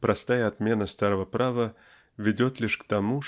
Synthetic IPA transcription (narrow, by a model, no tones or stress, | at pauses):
pɾʔɐst̪ajəɐt̪mʲe̞nəst̪aɾəvəpɾavə | vʲɪdʲot̪lʲiʂkt̪ɐmu